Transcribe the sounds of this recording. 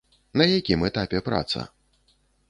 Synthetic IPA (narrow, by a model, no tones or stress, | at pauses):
nɐjakʲimɛt̪apʲɛpɾa̰t̪sɐ̰